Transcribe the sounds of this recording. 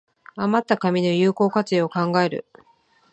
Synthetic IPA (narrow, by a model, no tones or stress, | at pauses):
amat̪ːakamʲino̞jɯːko̞ːkat͡sɨeokãŋɡae̞ɾɯ̟̰